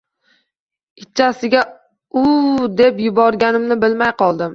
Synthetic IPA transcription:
ɪt͡ʃʰːasɪɡʲa | ʊd̪e̞pjʊbɒɾɡʲanɪmnɪbɪlmajqʰɒlˠd̪ɪm

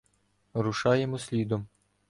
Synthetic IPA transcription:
ɾʊʃɑjemɔsʲlʲid̪ɔm

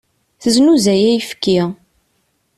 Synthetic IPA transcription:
θəznuzæjæjəfkːi

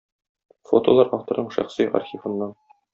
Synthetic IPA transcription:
fot̪olˠɑɾʔɑft̪ŏɾnɤɴʃæ̰χsiɑ̰ɾxʲifɤ̆nːɑn

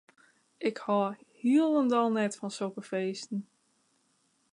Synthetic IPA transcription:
ʔɪkhɔhiəlˠəndɔlˠnɛtfɔnsokəfeːstn̩

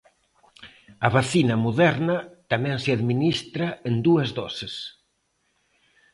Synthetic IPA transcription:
ɐβaθinɐmuðɛɾnɐt̪amɛ̃ŋsɪaðminist̪ɾɐend̪uɐzðɔ̰sɪs

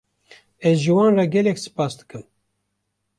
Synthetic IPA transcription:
ɛzʒɨwɑːnrɑɡɛlɛksɨ̥pɑːsd̪ɨ̥kɨm

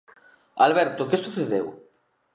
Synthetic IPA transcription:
alβɛɾt̪okesuθeðew

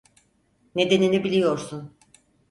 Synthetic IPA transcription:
ne̞d̪e̞ninibilʲijo̞ɾsun

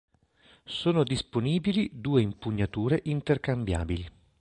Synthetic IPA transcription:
soːnod̪isponiːbilid̪uːeimpuɲːat̪uːɾeʔint̪erkambja̰ːbili

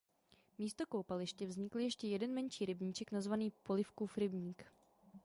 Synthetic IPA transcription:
miːst̪okowpalɪʃcɛvzɲɪkl̩jɛʃcɛjɛdɛnmɛnt͡ʃiːɾɪbɲiːt͡ʃɛknazvaniːpolɪfkufɾɪbɲiːk

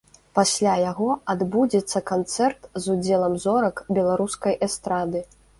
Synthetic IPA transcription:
pasʲlʲajaɣɔad̪bud͡zʲɛt̪sːɐkant̪sɛrt̪zud͡zʲɛlˠɐmzɔɾɐkbʲɛlˠaɾuskɐjʔɛst̪ɾad̪ɨ

